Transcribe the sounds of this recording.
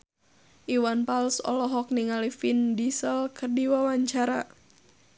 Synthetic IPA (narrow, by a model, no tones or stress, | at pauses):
ʔiwanpalsɔ̰lɔɦɔk̚niŋalifindisəlkərdiwawaɲt͡ʃaɾa